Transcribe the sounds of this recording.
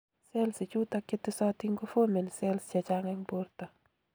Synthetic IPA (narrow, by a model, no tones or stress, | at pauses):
sɛlsɪt͡ʃutakɪtːɪsɔtɪŋkofomensɛlst͡ʃat͡ʃaŋɛŋboɾta